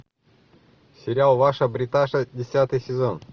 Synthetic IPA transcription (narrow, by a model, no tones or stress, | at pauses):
sʲɪɾʲalˠvaʂəbɾʲɪt̪aʂədʲɪsʲat̪ɨjsʲɪzon